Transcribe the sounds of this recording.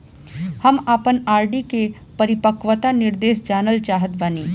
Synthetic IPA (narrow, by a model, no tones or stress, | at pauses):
hɐmaːpənaːɾɖike | pəɾɪpəkʋət̪anɪɾd̪eːʃd͡ʒaːnəlt͡ʃaːɦət̪̚bəneː